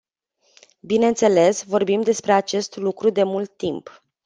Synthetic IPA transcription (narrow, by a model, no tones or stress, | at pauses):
bine̞nt̪se̞le̞svo̞rbimd̪e̞spɾe̞at͡ʃe̞st̪lukɾud̪e̞mult̪ːimp